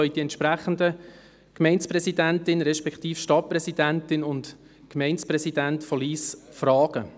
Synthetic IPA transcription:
œʏd̥iɛntʃpɾæχən̩də | kmɛɪnsprɛsidæntɪnɾɛʃpɛkχtiːfʃtɑt̚prɛsid̥æntɪnʊnt | kmɛɪnsprɛsidæntfɔliːsfrɑːɡ̥ə

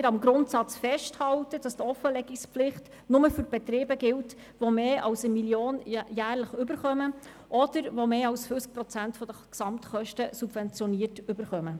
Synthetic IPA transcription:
ɾɑmɡɾʊntsɑt͡sfɛʃthɑltəd̥ɑst̪ɔfəlɛɡikspflɪχt | nʊməfʏɾb̥ɛt̪ɾeːbəɡɪlt | ʋomeːʔɑwsəmiljoːnjæːɾləχʏbəɾχœmə | ʔɔd̥əɾʋomeːɑwsfyt͡sk̚pɾɔt͡sæntfɔd̥̪əksɑmtχœʃtəsub̥vɛnt͡sjɔniːəɾtʏbəɾχœmə

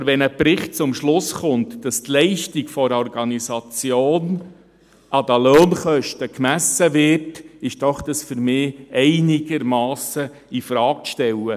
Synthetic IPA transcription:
ɾʋɛnəpɾɪχt̚t͡sʊmʃlʊsχʊntd̥ɑst̪lɛɪʃtiɡfɔɾɔrɡɑnisɑt͡sjoːn | ʔɑd̥̪əløːnχœʃtəkmæsəvɪrtɪʃd̥ɔχd̥̪ɑsfʏɾmɪːɛɪnɪɡ̥əɾmɑːsə | ifɾɑːkʃtɛlə

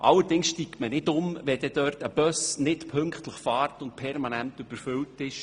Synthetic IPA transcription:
ʔɑlːəɾdɪŋsʃtiːktmənɪdʊmʋɛd̥̪ɛd̥øːrtəb̥œsnɪtpʰɵŋkχtləχfɑːrtʊnt̚pʰɛɾmɑnæntʉb̥əɾfʏltɪʃ

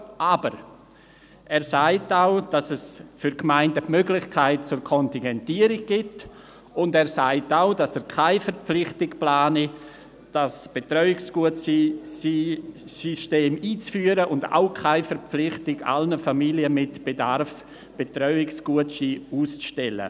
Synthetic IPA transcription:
ʔaːbəɾ | ʔɛːɾsaɪtaʊd̥asɛsfʏɾkmaɪndəpmøɡlɪχkʰaɪt̚t͡sʊɾkʰɔntɪŋɡɛntiːəɾɪɡ̚ɡ̥ɪt | ʊndɛːɾsaɪtaʊd̥asɛkʰaɪfɛɾp͡flɪχtɪkplaːni | d̥asb̥etɾœʏɪksɡ̥uət͡sisisyʃteːmiːt͡sfyːəɾəʔʊnda̰ʊkʰaɪfɛɾp͡flɪχtɪɡa̰lnəfamiljəmɪtb̥edaɾf | b̥etrœʏɪksɡ̥uətsiuːst͡sʃtɛlə̰

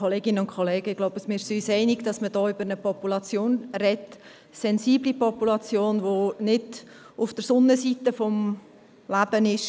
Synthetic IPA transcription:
kʰoleːɡɪnəʊntkʰχɔleːɡəɪɡ̥loʊbəsmɪsyːsɛɪnɪɡ̥d̥ɑsməd̥ɔːʏbəɾnəpɔpulɑt͡sjoːnrɛt | sɛnziːblipɔpulɑt͡sjoːnʋonɪd | ʊfd̥əɾsʊnːəsiːt̪əfɔm | læb̥ənɪʃ

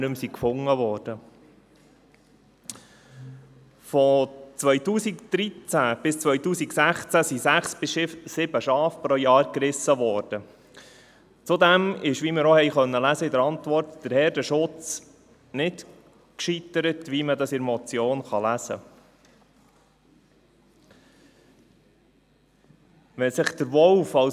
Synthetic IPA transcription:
nʉmsikfʊŋːəʋɔːɾd̥ə | fɔt͡sʋœʏjtuːsikd̪̥ɾit͡sæb̥ɪst͡sʋœʏtuːsiksæχt͡sæsisæχsb̥ɪsʃɪfsɪbəʃɑːfpɾɔjɑːɾkɾɪsːəʋɔːɾd̥ə | t͡sud̪ɛmɪʃʋimɪɾɔhɛjχœnːəlæzəɪdəɾɑnt̪ʋɔrtd̥əɾhɛːɾdəʃʊt͡s | nɪt | kʃit̪əɾətʋimədɑsɪɾmɔt͡sjoːnχɑlæsə̰ | ʋɛsɪχd̥̪əɾʋɔlfɑ

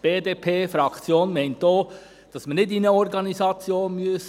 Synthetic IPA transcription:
b̥eːdeːpʰeːfɾɑkʰt͡sjoːnmɛɪntoː | d̥ɑsmənɪdinəɔɾɡɑnisɑt͡sjoːnmyəs

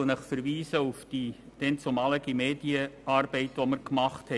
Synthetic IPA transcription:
lnəχfəɾʋiːsəufd̥i | d̥ɛnt͡sʊmɑləɡimeːdiəɑːrb̥ɛɪtʋɔməɾkmɑχthɛ

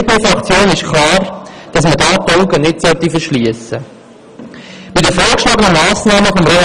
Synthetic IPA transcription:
pefɾɑkt͡sjoːnnɪʃkʰlɑːɾd̥ɑs̬mədɑːtɔlɡənɪtsœlt̪ifəɾʃliəsə | mɪtəfoːɾkʃlɑːɡənəmɑːsnɑːməfɔmɾe

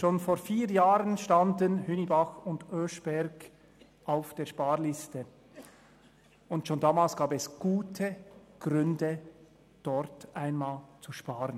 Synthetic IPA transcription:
ʃoːnfoːɾfiːɾjaːʁənʃtɑndənhynibaxʊndøːʃb̥ɛɾɡ̥ | ʔaʊfd̥eːɐʃpaːɾlɪstə | ʊntʃoːndaːmaːlsɡ̥aːbɛsɡ̥uːtʰəɡ̥ʁʏndə | d̥ɔɾtʔaɪnmaːlt͡suʃpaːɾən

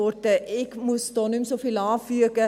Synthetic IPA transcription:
ort̪əʔɛkmust̪ɔnymsofilɑːfyəkə

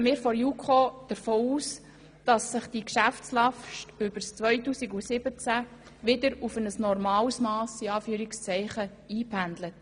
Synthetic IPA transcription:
mɪːɾfɔɾjukʰod̥əɾfoːuːs | d̥ɑsːɪχd̥ikʃæft͡slɑfʃtʏbəɾst͡sʋœʏtuːsiɡusɪbət͡sæ | ʋɪdəɾufənəsnɔɾmɑːlsmɑːsiɑːfyːɾikst͡sɛɪχə | iːpʰændlət

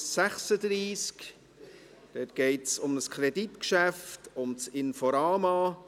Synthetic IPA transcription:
sæχsəd̪ɾiːsk | d̥ɛtɡ̥ɛɪtsʊməskʰχɾeditkʃæftʊmt͡sɪnfɔɾɑːmɑ

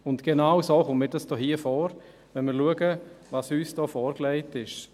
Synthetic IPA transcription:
ʊntɡ̥enawsoːχʊmmɪːɾdɑsd̥ɔːhiːəfɔːɾ | ʋɛnmɪːɾluəɡəvɑsyːsd̥ɔːfɔːɾklɛɪtɪʃ

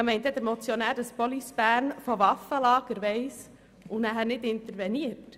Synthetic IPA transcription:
ɑmɛɪnt̪ɛd̪əɾmɔt͡sjɔnæːɾdɑspɔlisb̥æːɾnfɔʋɑfəlɑːɡ̥əɾʋɛɪs | unæɦæɾnɪtɪnt̪əɾʋɛniət

